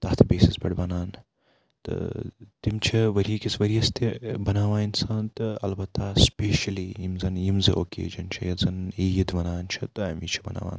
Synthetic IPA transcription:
t̪ɐht̪ʰɐbeːsisbʲɐɽbɐnaːn | t̪ɨ̰t̪imt͡ʃʰiʋɐɾikʲisʋɐɾijɐst̪ibɐnaːʋaːnsaːnt̪ɨɐ̰lbɐt̪ʰːaːspeːʃɐlijimzɐnjimzɨ̰ʔokḛːd͡ʒɐnt͡ʃʰɐ̰jɐzɐniːjid̪ʋɐnaːnt͡ʃʰɐt̪ɨɐmit͡ʃʰi̥bɐna̰ːʋa̰ːn

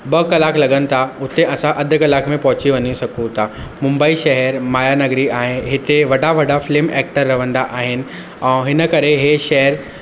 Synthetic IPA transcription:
bɐkɐlaːklɐɠənɪ̆t̪ʰaʊt̪eʔɐsãʔɐd̪ʱʊ̆kɐlaːkmẽpɐɦʊt͡ɕiʋɐɲisɐɡũt̪ʰamʊ̃mbəiʃɐɦɛɾmaːjanɐɡɾiaːɦɪ̃ɦɪt̪eʋɐɖʱaʋɐɖafɪlɪːmeːk̚ʈəɾːɐʋə̃nd̪aʔaːɦɪnɪ̆ | ɛ̃ːɦɪnə̆kɐɾeɦeʃɐɦəɾ

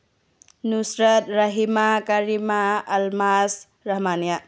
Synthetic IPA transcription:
nusɾət̪̚ɾɐɦimakaɾimaːlmas | ɾɐɦmanja

